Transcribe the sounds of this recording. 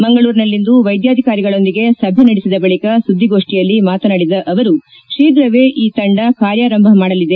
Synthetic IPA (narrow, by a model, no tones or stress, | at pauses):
mɐŋɡɐɭuːɾinɐlːind̪uʋɐjd̪jaːd̪ʱikaːɾiɡɐɭo̞nd̪iɡe̞sɐbʱjɐnɐɽisid̪ɐbɐɭikɐsud̪ʱːiɡo̞ːʂʈijɐlːimaːt̪ɐnɐɽid̪ɐʔɐʋɐɾu | ʂiːd̪ɾɐʋe̞ːʔiːt̪ɐɳɖɐkaːɾjaːɾɐmbʱɐmaːɽɐlid̪e̞